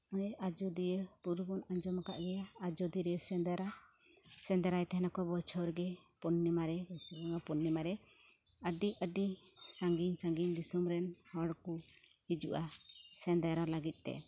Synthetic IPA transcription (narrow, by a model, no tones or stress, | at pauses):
ɔjad͡ʒɔd̪ijəpuɾubɔnaɲd͡ʒɔmaka̰ʔɡɛjaːd͡ʒɔd̪iɾɛsɛnd̪aɾa | sɛ̃nd̪ɛɾajt̪ɛɦɛnakɔbɔt͡ʃʰɔɾɡɛpɔnːimaɾɛbɔsibɔŋapɔnːɛmaɾɛ | əɖiəɖisaŋɡiɲsaŋɡiɲd̪isumɾɛnhɔɽku | hid͡ʒṵʔasɛnd̪aɾalaɡit̪̚ˀt̪ɛ̰